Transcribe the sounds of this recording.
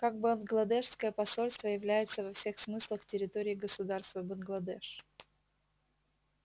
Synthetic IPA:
kaɡ̚bənɡlˠɐd̪ɛʂskəjəpɐso̞lʲst̪vəjɪvlʲæjɪt̪səvɐfsʲe̞xsmɨslˠəxtʲɪɾʲɪt̪oɾʲɪːɡəsʊd̪arst̪vəbənɡlˠɐd̪ɛʂ

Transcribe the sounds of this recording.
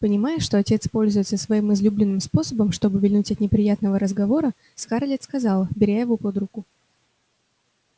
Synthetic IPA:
pənʲɪmajʊʂt̪o̞ɐtʲe̞t̪spo̞lʲzʊjt̪səsvɐimɨzlʲublʲɪnːɨmspo̞səbəmʂt̪o̞bɨvʲɪlʲnutʲɐt̪nʲɪpɾʲɪjat̪nəvəɾəzɡɐvo̞ɾə | skaɾlʲet̪skɐzɑlˠbʲɪɾʲajɪvopod̪ɾʊkʊ

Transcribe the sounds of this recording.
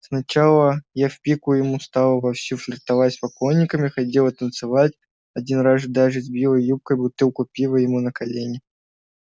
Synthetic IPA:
snɐt͡ɕalˠəjafpʲikʊjɪmust̪alˠəvɐfsʲuflʲɪrt̪ɐvaspɐkojnʲːɪkəmʲɪxɐtʲe̞lˠət̪ənt̪sɨvatʲ | ɐdʲinrasɨd̪aʐɨzʲbʲilˠəjjup̚kəjbʊt̪ɨlˠkʊpʲilˠəjɪmunəkɐlʲenʲɪ

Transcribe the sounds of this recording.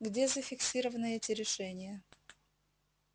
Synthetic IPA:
ɡdʲezəfʲɪksʲiɾəvənɨɛtʲɪɾʲɪʂɛnʲɪjə

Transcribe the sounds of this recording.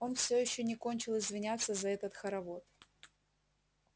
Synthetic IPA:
o̞nfsʲɵjɪɕːɵnʲɪkonʲt͡ɕɪlˠɪzvʲɪnʲat̪sːəzɐɛt̪ət̪xəɾɐvo̞t̪

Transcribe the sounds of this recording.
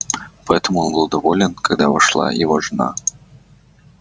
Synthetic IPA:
pɐɛt̪ɐmʊjɔnbɨlˠd̪ɐvɔlʲɛnkaɡd̪ava̰ʂlˠa̰jḭvaʐna̰

